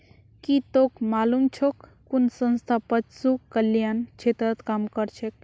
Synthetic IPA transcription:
kit̪okmalumt͡ʃʰok | kunsə̃nst̪ʰapət̪sukəljant͡ʃʰet̪ɾət̪kamkəɾt͡ʃʰek̚

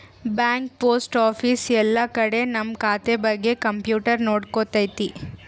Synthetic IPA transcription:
bjaːŋk̚poːsʈaːpʰisɛlːɐkɐɽe̞nɐmkaːt̪ebɐɡːe̞kɐmpjuːʈɐɾnoːɽkot̪ɐjt̪i

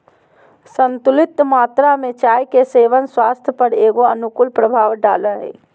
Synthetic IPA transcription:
sənt̪ʊlɪt̪ːmaːt̪ɾamẽt͡ʃaːjkeseːʋənswaːst̪ʰjəpəɾeːɡoənʊkʊlpɾəbʱaːʋɖa̰ːləɦɛ̰ː

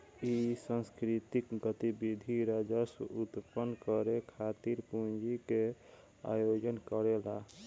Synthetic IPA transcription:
isə̃nskɾit̪ikɡət̪ibid̪ʱiɾad͡ʒəsut̪pənkəɾekʰat̪iɾpũnd͡ʒike | a̰jod͡ʒənkəɾela

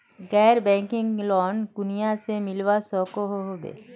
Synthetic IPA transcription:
ɡɛːɾbɛ̃ːŋkɪ̃ŋɡlɔːnkʊnijasemɪlʋasɔːkoɦoɦoːbḛː

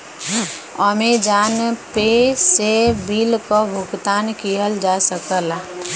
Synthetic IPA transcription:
ɔmed͡ʒaːnpesebiːlkobʱʊɡt̪aːnkiɦəld͡ʒasəkəl

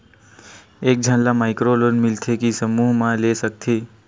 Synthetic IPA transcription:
eːk̚d͡ʒʱãnlamaːɪkɾolonmɪlt̪ʰekisəmuːɦmãlesək̚t̪ʰeː

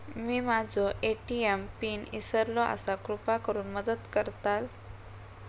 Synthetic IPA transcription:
miːmad͡zʱɔʔeʈiempiːnisəɾlɔʔa̰sakɾupakəɾuːnməd̪əd̪kəɾt̪al

